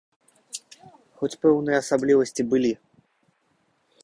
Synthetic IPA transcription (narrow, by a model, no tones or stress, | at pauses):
xɔt͡sʲpɛwnɨjɐːsablʲivɐsʲt͡sʲibɨlʲi